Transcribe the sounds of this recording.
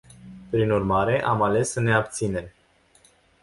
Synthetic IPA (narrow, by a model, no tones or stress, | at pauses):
pɾinurmaɾe̞ʔamale̞səne̞ap̚t̪sine̞m